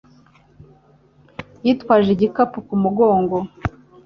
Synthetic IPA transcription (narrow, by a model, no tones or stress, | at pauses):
jiːtwaːʒeɟikapukumuɡo̞ːŋɡo